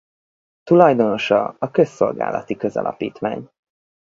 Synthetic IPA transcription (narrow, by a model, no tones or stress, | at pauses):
t̪ulɒjd̪o̞no̞ʃɒɒkø̞sːo̞lɡa̰ːlɒ̰t̪ikø̞zɒ̰lʔɒ̰pḭːt̪ʋaːɲ